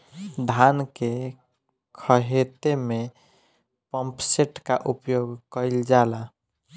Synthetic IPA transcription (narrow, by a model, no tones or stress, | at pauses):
d̪ʱanke | kʰəɦet̪eme | pəmpseʈkaʔupjoɡkəɪld͡ʒala